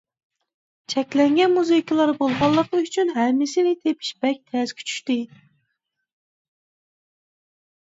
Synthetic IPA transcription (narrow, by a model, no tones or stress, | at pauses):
t͡ʃʰɛkʲlɛŋɡʲɛnmuzɨkʰʲilˠɑɾbolˠʁɑlˠːəqyt͡ʃʰynɦɛmːɪsɪnɪt̪ʰepʰi̥ʃbɛk̚ʲt̪ʰɛz̥kʲʰy̥t͡ʃʰy̥ʃt̪ɪ